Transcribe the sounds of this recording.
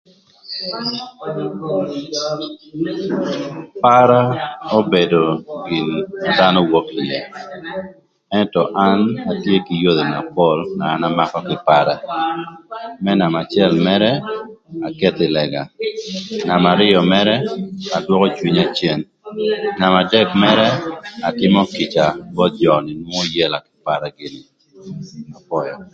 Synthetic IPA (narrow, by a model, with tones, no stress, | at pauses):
pa˦ɾa˦o˦be˨do˨ɡi˨na˨da˦nɔ˦wɔ˦ki˨jɛ˨ | ɛ˦ntɔ˨ʔa˦na˨tje˦ki˨jo˦d̪e˨na˨pɔ˦lnaː˨˦na˦makɔ˦kɪ˨paɾa˦ | mɛ˦na˨ma˨t͡ʃjɛ˦lmɛ˦ɾɛ˦a˨ke˦t̪ɪ˨lɛ˨ɡa˨ | na˨ma˨ɾɪ˦ɔ˨mɛ˦ɾɛ˦a˨dwɔ˦kɔ˦t͡ʃwi˦ɲa˨t͡ʃjɛ˦˨n | na˨ma˨dɛ˦kmɛ˦ɾɛ˦a˨tɪ˦mɔ˦ki˨t͡ʃa˨bɔ˦t̪̚d͡ʒɔ˨nɪ˨nwɔ˦ɔ˦jɛ˦la˨kɪ̥˨pa˦ɾa˨ɡɪ˨nɪ | na˨fɔ˦jɔ